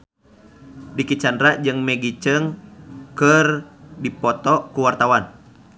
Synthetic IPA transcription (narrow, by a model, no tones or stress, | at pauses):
dikit͡ʃandɾad͡ʒɨŋmɛɡit͡ʃəŋkərdipɔt̪ɔkuwart̪awan